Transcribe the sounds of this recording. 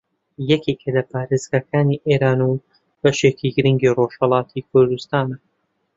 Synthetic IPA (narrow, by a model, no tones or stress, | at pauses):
jɐkikʰɐlɐpʰaːɾeːzɡakʰaːniːʔeɾaːnu | bɐʃeːkiɡɨɾɨŋɡiːroʃhɐlˠɑːt̪ʰikʰʊɾd̪ust̪aːnɐ